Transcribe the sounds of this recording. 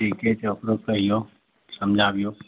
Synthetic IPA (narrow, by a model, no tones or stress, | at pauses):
ɾiketeokɾokəɦijo | səmd͡ʒʱaːbijoː